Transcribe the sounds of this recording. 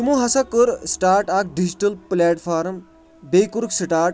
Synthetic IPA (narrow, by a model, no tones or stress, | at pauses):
umuɦɐsakəɾsʈaːɾʈak̚ɖid͡ʑiʈəlplɛʈfaːɾm | bejkuɾksiʈaːɾʈ̚